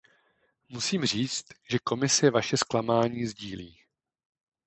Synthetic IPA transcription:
musiːmr̝iːt͡st̪ʒɛko̞mɪsɛvaʃɛsklamaːɲiːzɟiːliː

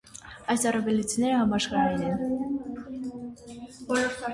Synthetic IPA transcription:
ɑjsɑrɑvɛlit͡sʰinɛɾəhɑmɑʃχɑɾɛnɛn

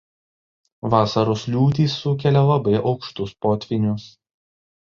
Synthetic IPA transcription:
ʋɑːsɐɾʊslʲuːt̪ʲiːsːʊkʲɛlʲɛlˠɐbɐɪʔɒʊkʃt̪ʊspoːt̪ʲʋʲɪnʲʊs

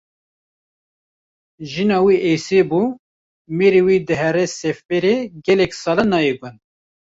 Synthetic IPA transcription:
ʒinɑːwiʔejsebuː | meɾiwiːd̪ɨɦɛɾɛsefpeɾeɡɛlɛksɑːlɑnɑːjeɡʊn

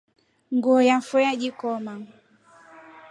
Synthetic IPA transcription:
ŋɡuɔjafujaʄikɔma

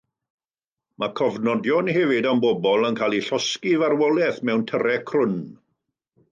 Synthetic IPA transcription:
makʰɔvnɔdjɔnhɛvɪdambɔbɔlˠənkʰalˠiɬɔskivarwɔlˠɛθmɛwntʰəɾɛkʰrʊn

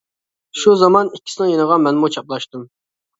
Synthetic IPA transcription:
ʃuzɑmɑnikʲʰːi̥sɪnɪŋjenəʁɑmɛnmut͡ʃʰɑplˠɑʃt̪ɨm

